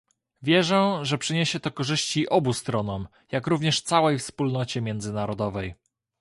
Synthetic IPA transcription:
vʲjɛʐɛʐɛpʂɘɲeɕɛt̪ɔkɔʐɘɕt͡ɕiʔɔbust̪ɾɔnɔm | jakɾuvɲɛʂt̪sawɛjfspulnɔt͡ɕɛmʲjɛnd̪zɘnaɾɔd̪ɔvɛj

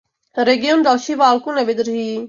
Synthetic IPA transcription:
ɾeɡijonɾaʃiʋaːlkũneʋɪd̪ɾɦi

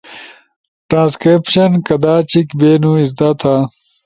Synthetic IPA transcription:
ʈɾãːnskɾipɕɐnkɐd̪aːt͡ɕikbeːnuisd̪at̪ʰaː

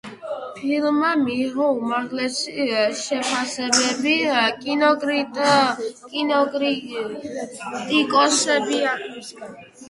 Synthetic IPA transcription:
pʰilmamiχɔumaɾʁlɛsiʃɛpʰasɛbɛbikʼinɔɡɾi | kʼinɔɡɾ | t̪ʼikʼɔsɛbia

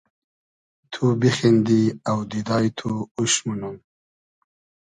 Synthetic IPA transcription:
t̪ʰubixend̪iawd̪id̪ɑjt̪ʰuuʃmunum

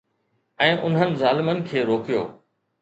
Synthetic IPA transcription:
ɛ̃ːʔʊnɦənɪ̆zaːlɪmənɪ̆kʰeːɾoːkijo̰ː

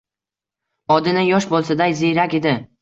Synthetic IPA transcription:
ɒd̪ɪnɪjɒʃbolˠsad̪ajzejɾakʲed̪ɪ

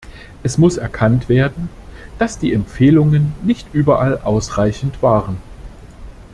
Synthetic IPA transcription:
ʔɛsmʊsɛɐkʰantv̥eːɐdn̩ | d̥asd̥iːɛmp͡feːlʊŋənːɪçtʔyːbɐʔalʔaʊsʁaɪçn̩tv̥aːʁən

